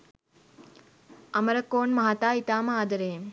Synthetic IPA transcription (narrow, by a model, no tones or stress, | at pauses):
ɐmɐɾɐkoːnmɐɦat̪aːit̪aːmaːd̪ɐɾeːm